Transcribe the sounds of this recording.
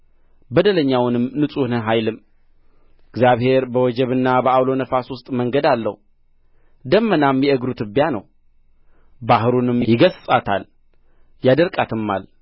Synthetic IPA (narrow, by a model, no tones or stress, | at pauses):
bəd̪ələɲːawnɨmnɨsʼunəɦajlɨm | ɨɡzjaβhe̞ɾbəwɔd͡ʒɛβɨnːabəawlo̞nəfaswʊst̪ʼməŋɡəd̪alːə̰h | d̪əmːənamjɛəɡɾut̪ɨbjanə̰w | baɦɨɾunɨmjɪɡəssʼat̪ʰal | jad̪əɾkʼat̪ʰɨmːa̰l